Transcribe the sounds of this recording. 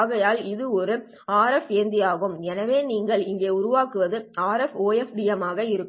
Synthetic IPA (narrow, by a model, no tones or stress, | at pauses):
ɣɐjaːlɪðɯɔɾɯ | aːɾɛfeːnd̪ɪjaːɣɯmɛnɐʋeːniːŋɡɐɭɪŋɡeːʊɾʊʋaːkɯʋɐðɯaːɾɛfoːjɛfɖiɛmaːɣɐɪɾɯkː